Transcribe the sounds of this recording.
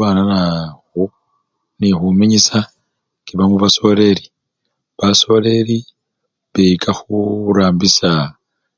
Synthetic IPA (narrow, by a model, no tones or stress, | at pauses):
aːnanaxo | nixumiɲisa | kiβamuβaso̞le̞ɾi | βaso̞le̞ɾi | βeikʰaxuɾaːmbisa